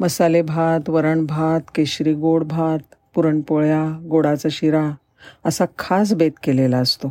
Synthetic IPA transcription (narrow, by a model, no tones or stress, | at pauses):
məsalebʱat̪ʋəɾəɳbʱat̪keɕɾiɡoɽbʱat̪̚puɾəɳpoɭjaɡoɽat͡saɕiɾa | əsakʰas̬bet̪kelelaəst̪o